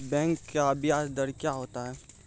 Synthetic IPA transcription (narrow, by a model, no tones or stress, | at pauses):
bɛ̃ːŋkːaɐbjaːsd̪əɽkjaɦoːt̪aɦɛː